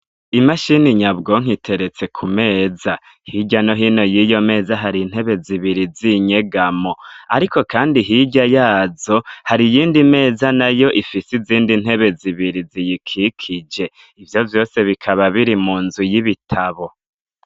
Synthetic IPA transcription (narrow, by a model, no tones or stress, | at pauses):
imaʃiniɲabɡoŋ̥itʰe̞ɾe̞t͡se̞kʰume̞ːza | hiɟanoɦiːno̞jiːjo̞me̞ːzaɦaɾin̥he̞βe̞ziβiɾiziɲe̞ɡamo̞aɾiko̞kʰaːndiɦiɟajaːzo̞haɾijiːndime̞ːzanajo̞ʔifisiziːndin̥he̞βe̞ziβiɾizijikʰikʰid͡ʒe̞ | ivjo̞vjo̞ːse̞βikʰaβaβiɾimuːnzujiβitʰaβo̞